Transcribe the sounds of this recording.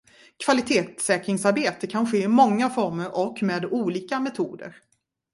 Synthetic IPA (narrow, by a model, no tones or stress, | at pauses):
kʰv̥alɪt̪ʰeːt̪sɛːkɾɪŋsaɾbeːt̪əkʰanɧeːɪmɔŋːafɔɾməɾʔɔkːmeːd̪uːliːkamɛt̪ʰuːd̪ə̰ɾ